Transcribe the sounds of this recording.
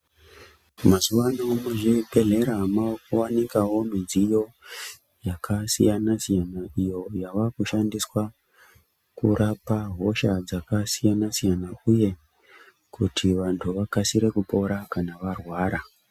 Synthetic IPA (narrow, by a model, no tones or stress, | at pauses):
masuʋanomuʐibʱe̞ɮe̞ɾamaokowanikawo̞mid͡zijo̞ | jakʰasḭjanasijanaijo̞jaʋakuʃandiswa | kurʔapaɦo̞ʃad͡zakasijanasijanauje̞ | kutʰiʋantʰuʋakasiɾe̞kupo̞ɾakanaʋarwaːɾa